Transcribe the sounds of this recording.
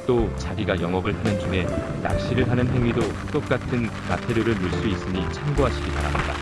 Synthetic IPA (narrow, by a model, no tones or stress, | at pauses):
t͈ot͡ɕaɡiɡajʌŋʌɡɯɭpʰanɯnd͡ʑuŋe̞ja̰k̚ɕ͈iɾɯɭɦanɯnɦe̞ŋɥido | t͈ok̚k͈atʰɯn | matʰe̞ɾjoɾɯɭmuɭs͈uis͈ɯɲit͡ɕʰamɡoɦaɕʰiɡipa̰ɾamɲida̰